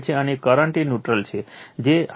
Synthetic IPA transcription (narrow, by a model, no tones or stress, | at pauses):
t͡ʃʰeənekəɾəɳʈinjuʈɾəlt͡ʃʰed͡ʒe